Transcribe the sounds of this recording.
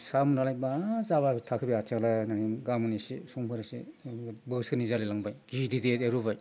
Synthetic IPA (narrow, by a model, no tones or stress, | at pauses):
samunalajbazaβatʰakʰɯbiatʰaŋlajnanimɡamunisisuŋpʰɯɾasḭbɯskɯnizalilaŋbajɡidideteɾubaj